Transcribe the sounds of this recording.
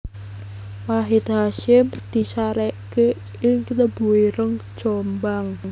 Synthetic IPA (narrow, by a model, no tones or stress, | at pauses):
waɦit̪̚haʃɪmd̪̥i̤saɾɛʔke | ɪŋkt̪əb̥uwiɾəŋ̥d͡ʒ̥ombaŋ